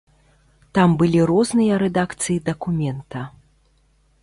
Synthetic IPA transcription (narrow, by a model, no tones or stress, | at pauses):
t̪ambɨlʲiɾɔznɨjɐɾɛd̪akt̪sɨjid̪ɐkumʲɛnt̪ɐ